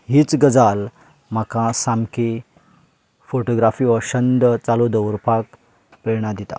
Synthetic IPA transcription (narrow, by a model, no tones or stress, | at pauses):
ɦit͡sɡəd͡zal | m̤akãsamki | foʈoɡɾafiʋəɕənd̪ət͡salod̪əuɾpak | pɾeɳ̃ad̪it̪a̰